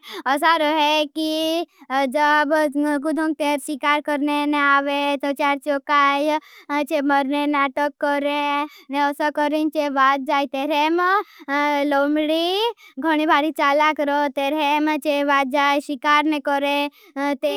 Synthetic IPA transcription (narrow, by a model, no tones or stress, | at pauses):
əsaɾɔɦeki | d͡ʒəbkud̪ʱõŋk̚t̪eɾsikaːɾkəɾneneaːʋet̪ot͡ʃjaɾt͡ʃokaːjt͡ʃeməɾnenaːʈəkːɔɾẽneɔsakəɾint͡ʃeʋaːt̪̚d͡ʒaːit̪eːɾem | loːmɽiɡʱəɽ̃ibʱaːɾit͡ʃaːlakɾot̪eːɾemt͡ʃeʋaːt̪̚d͡ʒaːjʃikaːɾnekɔɾẽ | t̪e